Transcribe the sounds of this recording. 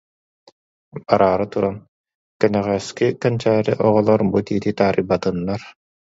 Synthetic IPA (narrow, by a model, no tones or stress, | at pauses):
baɾʔaːɾɯt̪uɾan | kɛnɛʁɛskikɛnt͡ɕaːɾiʔɔʁɔlˠɔɾbut̪iːt̪it̪aːɾibat̪ɯnːaɾ